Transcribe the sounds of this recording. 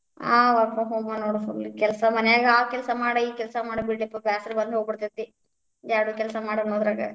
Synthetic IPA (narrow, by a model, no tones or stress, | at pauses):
a̰ːʋɐɾpɐɦoːmɐnoːɽɐsolikɛlɐsɐmɐnɛjaːɡɐaːkɛlsɐmaːɽɐiːkɛlsɐmaːɽibiʈɖipːɐbaːsɐɾbɐnd̪ɦoːɡ̚biɽt̪it̪ːi | jaːɽukɛlɐsɐmaːɽɐnoːd̪ɾaːɡɐ̰